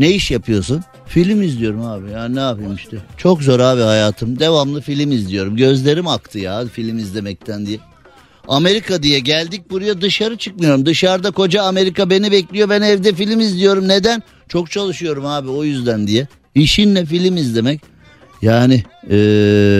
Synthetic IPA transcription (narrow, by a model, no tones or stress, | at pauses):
nejiʃjapʰɯjo̞sun | filʲimizlʲijo̞ɾumaːbijaːninaapɯjmiʃt̪ʰɛt͡ʃʰo̞kzo̞ɾaːbihajaːt̪ʰɯmd̪e̞vamlˠɯfilʲimizlʲijo̞ɾumɟø̞zlʲe̞ɾimakt̪ʰɯjadfilʲimizlʲe̞mɛc̚t̪ʰænd̪ijɛ | ame̞ɾikʰad̪ijɛɟælʲd̪ic̚buɾajad̪ɯʃaɾɯt͡ʃʰɯkmɯjo̞ɾumd̪ɯʃaɾd̪ako̞d͡ʒaːme̞ɾikabe̞nibɛclʲijo̞bænɛvd̪ɛfilʲimizlʲijo̞ɾumne̞d̪æn | t͡ʃʰo̞k̚t͡ʃʰalˠɯʃɯjo̞ɾumhaːbio̞jyzd̪ænd̪ijɛ | iʃinlɛfilʲimizlʲe̞mɛc | jaːnɪɛː